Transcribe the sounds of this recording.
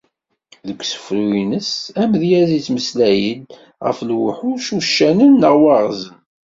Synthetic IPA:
ðəkʷːsə̥fɾuinəsæmðjæzit͡sːməslæjəd | ʁə̰flwħuʃuʃːænənːəʁwɑʁzən

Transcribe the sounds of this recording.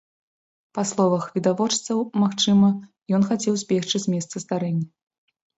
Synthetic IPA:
paslˠɔvɐxvʲid̪avɔt͡ʂt̪sɐwmaxt͡ʂɨmɐ | jɔnxat͡sʲɛwzʲbʲɛʂt͡ʂɨzʲmʲɛst̪sɐst̪aɾɛnʲːɐ

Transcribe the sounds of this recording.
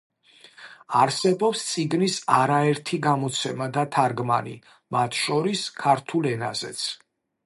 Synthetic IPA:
aɾsɛbɔpst̪sʼiɡnisaɾaɛɾt̪ʰiɡamɔt̪sʰɛmad̪at̪ʰaɾɡma̰nḭ | mat̪ʰʃɔɾiskʰaɾt̪ʰulɛna̰zɛ̰t̪sʰ

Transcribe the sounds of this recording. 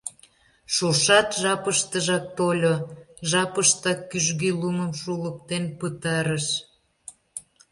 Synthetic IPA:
ʃuʃɑt̪ʒɑpəʃt̪əʒɑk̚t̪olʲoʒɑpəʃt̪ɑkːyʒɣiluməmʃulək̚t̪enpət̪ɑɾəʃ

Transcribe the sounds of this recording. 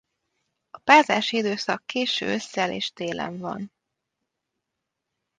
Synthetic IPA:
ɒpaːzaːʃiid̪øːsɒkːeːʃø̰ːøsːɛlḛːʃt̪eːlʔɛ̰ɱvɒ̰n

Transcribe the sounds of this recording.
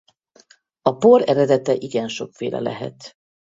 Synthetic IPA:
ɒpoɾɛɾɛd̪ɛt̪ɛʔiɡɛnʃo̞kfeːlɛ̰lɛ̰ɦɛ̰t̪

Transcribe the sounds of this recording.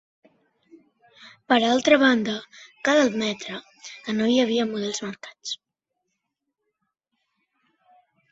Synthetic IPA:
pəɾalˠt̪ɾəβand̪əkaðəlˠmɛt̪ɾə | ənojəβ̞iəmuðɛlˠzməɾkḁt͡s

